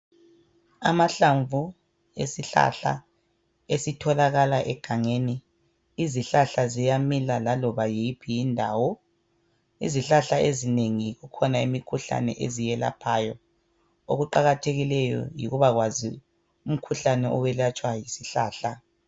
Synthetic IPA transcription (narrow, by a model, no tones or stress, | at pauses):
a̰maɬaɱvu | ḛsiɬa̰ɬa̰ | esitʰɔlaɣalaʔɛɡ̥ʱaŋeniː | ziɬaɬazijamilalalɔβajiipʰijindʱaːwɔ | ḭziɬaɬaezineŋiɣukʰɔnaimikʰuɬa̰nɛ̰ʔezijɛla̰pʰaːjɔ | oɣuǃaɣatʰeɣilɛjɔ̰jḭɣuβaɣwazḭ | um̩kʰuɬanɛʔɔwɛlat͡ʃʼwajisiɬaːɬa